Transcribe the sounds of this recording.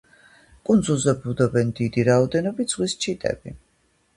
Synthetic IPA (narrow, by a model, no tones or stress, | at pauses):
kʼund̪zulˠzɛbud̪ɔbɛnd̪id̪iɾaɔd̪ɛnɔbit̪z̥ʁwist͡ʃʰit̪ʼɛ̰b̥i